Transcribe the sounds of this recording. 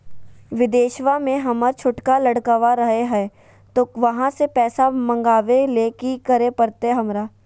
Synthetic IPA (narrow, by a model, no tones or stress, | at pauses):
ʋɪd̪eːʃʋamẽɦɐməɾt͡ʃʰʊʈkalɐɽkəʋaɾɐɦeɦɛː | t̪oːʋɐɦãsepɛːsamɐ̃ŋɡaːʋeleːkikɐɾepɐɾt̪eɦɐmɾaː